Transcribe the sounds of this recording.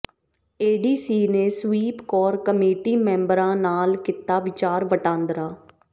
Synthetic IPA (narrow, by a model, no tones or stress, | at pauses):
eːɖiːsiːneːsʋiːpkɔːɾkəmeːʈiːmɛ̃ːmbəɾãːnaːlkɪt̪aːʋɪt͡ʃaːɾʋəʈãːnd̪ɾaː